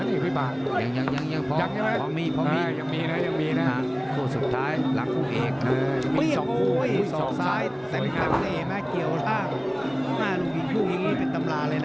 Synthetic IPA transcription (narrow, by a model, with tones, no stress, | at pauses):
niː˧˩kʰi˧˩baː˨˩ | ja˨˩ŋja˧˩ŋja˧˩ŋja˧˥˩ŋpʰɔ˧ja˨˩ŋa˧˥˦a˦˥˩ɔ˧miː˧˥˩pʰɔ˧miː˧˥ja˨˩ŋmiː˧na˦˥˩ja˨˩ŋmiː˧na˦˥˧ | t̪ʰuː˧˩su˨˩t̪ʰːaː˦˥jla̰˨˦ŋpʰuː˧˩ʔeː˨˩k̚na˦˨˩mɯː˧˥˧ja˨ɔ˨˦ŋu˧˦˨jsɔːɔ˨˦ŋssaː˦˥j | t̪ɛː˧˩˨i˧˩a˧˩mle˧˨˩na˦˥˩ki˨˩əwsaː˧˩ŋ | maː˧˩lo˧˩ŋpi˨˩t̪̚kʰuː˥˩ŋja˧˨ŋːniː˦˥˩pe˧nt̪a˧mlaː˧ləː˧na˧˥